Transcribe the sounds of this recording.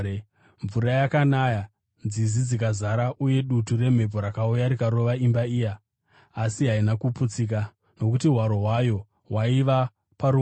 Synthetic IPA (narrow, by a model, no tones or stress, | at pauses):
ɱvuɾajakanaja | nd͡zizid͡zikazaɾaʔuje̞ɗuture̞m̤e̞po̞ɾakaujaɾikaɾo̞ʋaimbaijaː | siɦainakuput͡sik̬a | no̞kutiɦwaɾo̞ɦwajo̞ | ɦwaiʋa | paɾu